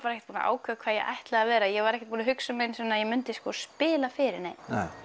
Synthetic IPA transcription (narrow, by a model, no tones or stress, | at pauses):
paɾɛhcɛt̪puːna̰ʔa̰ːwkʰœkʰv̥aðjɛ̰ʔa̰jht̪laɣavɛːɾajɛɣvaɾɛhcɪt̪̚puːnaɦʏksʏmejnsvɛnːajɛmʏnt̪ɪskɔspɪːlafɪːɾɪ̰ɾnejm